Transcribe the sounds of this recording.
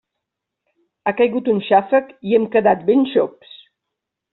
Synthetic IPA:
akajɣut̪unʃafəkiɛmkəðat̪̚benʃɔps

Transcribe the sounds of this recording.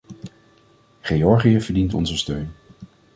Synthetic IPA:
χejɔɹχijəvəɹdintɔ̰nzəstøɥn

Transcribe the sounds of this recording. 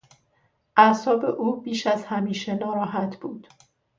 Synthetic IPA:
ʔæsɒːbe̞ʔuːbiːʃæzhæmiːʃenɒːɾɒːɦæt̪ʰb̥uːd̪̥

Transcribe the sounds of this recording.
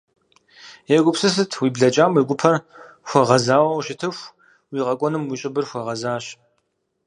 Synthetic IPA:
jɛɡʷʼʊpsɨs̬ɨtʰwiːbɮɐt͡ʃʼaːmwiɡʷʼʊpʰɐr | xʷɔʁɐzaːwɐwʃɪtʰɨxʷ | wiːqɐkʷʼɔnɨmwiːɕʼɪbɨrxʷɐʁɐzaːɕ

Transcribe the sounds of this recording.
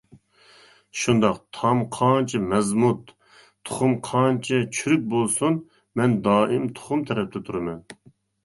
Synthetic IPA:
ʃund̪ɑqt̪ʰɑmqʰɑːnt͡ʃʰimɛzmut̪ʰ | o̥χʊmqʰɑnt͡ʃʰɪt͡ʃʰyɾyk̚ʲbolˠsun | mɛnd̪ɑːʔɪmt̪ʰo̥χʊmt̪ʰɛɾɛp̚t̪ʰɛt̪ʰuɾɨmɛn

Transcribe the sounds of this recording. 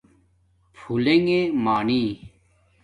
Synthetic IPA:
pʰuleŋɡemaːniː

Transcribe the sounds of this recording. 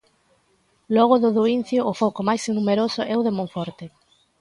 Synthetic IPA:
lɔɣʊðʊðoin̟θjoʔːfɔkomajsnumeɾosʊʔɛʊðemõɱfɔɾt̪e

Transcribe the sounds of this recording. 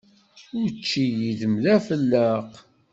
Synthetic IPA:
ʊɾt͡ʃːijiðəmðæfəlːəq

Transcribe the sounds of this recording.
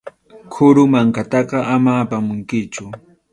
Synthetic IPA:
kʰʊɾʊmaŋkat̪ɑqɑʔamaːpamʊŋkɪt͡ʃʊ

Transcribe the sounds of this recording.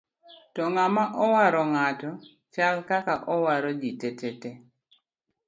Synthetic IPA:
tɔŋamaʔɔwaɾɔŋatɔ | t͡ʃalkakaʔɔwaɾɔd͡ʒitɛtɛte

